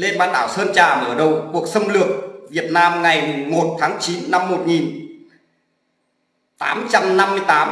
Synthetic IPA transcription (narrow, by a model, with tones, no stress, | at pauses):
le˧nɓaː˧nt̪a̰ː˧˩wsəː˧nt͡ɕaː˨˩mɨ̰˧˩əɗə˨˩wku˨˩ək̚sə˧wŋ͡mlɨ˨˩ək̚vi˨˩ət̚naː˧mŋa˨˩jmʊ˨˩ŋmo˨˩t̚t̪ʰaː˨˦ŋt͡ɕi˨˦nːa˧mːo˨˩t̚ŋi˨˩n | t̪a̰ː˨˦mt͡ɕa˧mna˧mːɨ˧əjt̪aː˨˦